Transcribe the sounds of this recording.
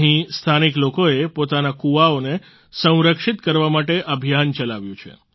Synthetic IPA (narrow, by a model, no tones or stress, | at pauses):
ɦĩst̪ʰaniklokoepot̪anakuʋaone | sə̃w̃ɾəkʂit̪kəɾʋamaʈeʔəbʱjant͡ʃəlaʋjũt͡ʃʰḛ